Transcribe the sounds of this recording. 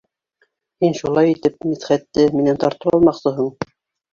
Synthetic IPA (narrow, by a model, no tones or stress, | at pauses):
hinʃulˠɑjit̪ɘp̚miθχæt̪ːɘminænt̪ɑɾt̪ɤwɑ̰lˠmɑqsɤɦɤɴ